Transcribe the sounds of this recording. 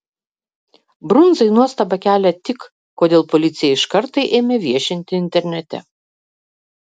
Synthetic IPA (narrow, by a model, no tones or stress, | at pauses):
bɾʊnzɐɪnuɔst̪ɐbɐkʲæːlʲɛt̪ʲɪk | koːd̪ʲeːlˠpolʲɪt̪sʲɪjɛɪʃkɐɾt̪ɐɪʔeːmʲeːʋʲiɛʃʲɪnʲt̪ʲɪɪnʲt̪ʲɛɾʲnʲɛt̪ʲɛ̰